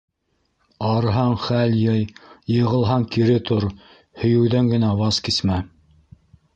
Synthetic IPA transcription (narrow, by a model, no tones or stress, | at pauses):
ɑɾɦɑɴχæljɘjjɤ̆ʁɤ̆lˠɦɑŋkiɾɘt̪ʰoɾ | hɵ̆jɘ̆wðæŋɡɘ̆næwɑskismæ